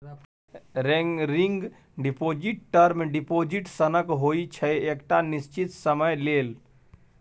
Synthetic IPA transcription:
ɾeɾiŋɡ | ɖipoːd͡ʒɪʈ̚ʈəɾmẽɖipoːd͡ʒiʈsənəkɦoːit͡ʃʰəekʈanɪst͡ʃit̪səməjleːl

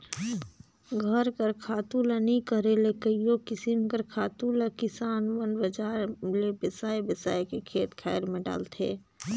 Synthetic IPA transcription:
ɡʱəɾkəɾkʰaːt̪ulanĩkəɾelekəijokɪsinkəɾkʰaːt̪ulakɪsaːnwənbəd͡ʒaːɾlebəsaːjbəsaːjkekʰeːt̪kʰɛːɾmẽɖa̰ːlt̪ʰḛː

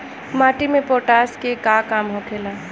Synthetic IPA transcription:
maːʈimẽpoːʈaːskekaːkaːmɦokʰeːlaː

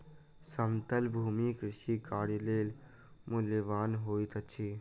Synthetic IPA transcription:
səmt̪əlbʱuːmikɾɪʃikaːɾjleːl | mʊleʋaːnɦoːit̪ət͡ʃʰiː

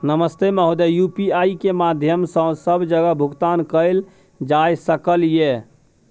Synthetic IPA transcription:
nəməst̪eməɦud̪ejupiaikemad̪ʱjəmsə̃səbʱd͡ʒəɡəbʱuɡt̪ankəjl | d͡ʒajsəkəlije

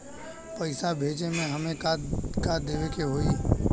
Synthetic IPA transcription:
pɐɪsabʱeːd͡ʒemẽɦɐmẽkakaːd̪eːʋekeɦoːi

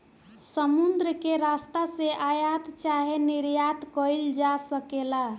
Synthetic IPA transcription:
səmund̪ɾəkeɾast̪aseʔajat̪t͡ʃaɦeniɾjat̪kəild͡ʒasəkela

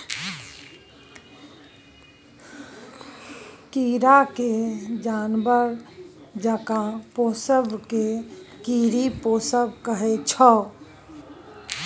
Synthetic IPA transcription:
kiːɾaked͡ʒaːnbəɾd͡ʒəkapoːsəbkekiːɾipoːsəbkəɦet͡ʃʰɔ

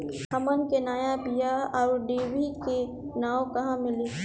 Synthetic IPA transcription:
ɦɐmənkenaːjabijaɔːɾɖeːʋike | naːõkɐɦãmɪliː

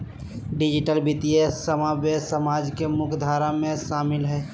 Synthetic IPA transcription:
ɖid͡ʒiʈəlbit̪iesːəmabesəmad͡ʒkemʊkʰd̪ʱaɾamẽʃaːmɪlɦɛː

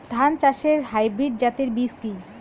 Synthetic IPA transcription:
d̪ʱant͡ɕaʃeɾɦajbɾiɖ̚d͡ʑat̪eɾbiski

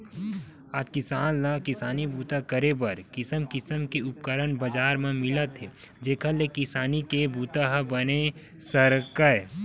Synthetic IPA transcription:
aːd͡ʒkɪsaːnlakɪsaːnibuːt̪akəɾebɐɾkɪsəmkɪsəmkeʊp̚kəɾənbɐd͡ʒaːɾmẽmɪlət̪e | d͡ʒeːkʰalekɪsaːnikebuːt̪aɦbɐne | səɾkəe

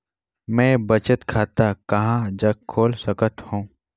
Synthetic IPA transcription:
mɛ̃ːbɐt͡ʃət̪kʰaːt̪akɐɦãd͡ʒɐɡkʰːoːlsəkət̪hõː

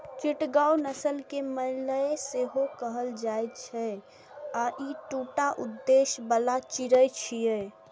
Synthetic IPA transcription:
t͡ʃiʈɡaunəsəlkeməɦiləeseɦokəɦəld͡ʒajt͡ʃʰɛ | aʔiʈuʈaʔud̪ːeʃbəlat͡ʃiɾət͡ʃʰije

